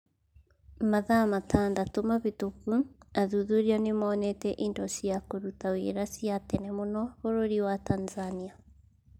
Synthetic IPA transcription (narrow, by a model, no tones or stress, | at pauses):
maðamatʰaːndatomaβitokuaðuðuɾianemaːnɛtɛʔindɔsiakoɾutawḭɾasiatɛnɛmonɔβoɾoɾiwatanzania